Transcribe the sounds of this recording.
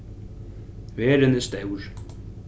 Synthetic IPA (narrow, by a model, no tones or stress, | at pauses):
vɛːɾɪnɪst̪ewɾ̥